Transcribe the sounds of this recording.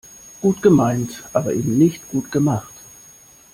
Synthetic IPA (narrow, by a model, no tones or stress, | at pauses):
ɡ̥uːtɡ̥əmaɪntʔaːbɐʔeːbm̩nɪçtɡ̥uːtɡ̥əmaχt